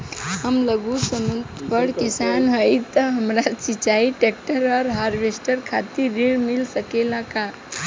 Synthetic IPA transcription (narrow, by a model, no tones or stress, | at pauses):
həmləɡusəmənt̪pəɽkisanɦəjt̪əɦəmɾat͡ʃit͡ʃaiʈek̚ʈəɾɔːɾɦaɾʋesʈəɾkʰat̪iɾiɭmilsəkelaka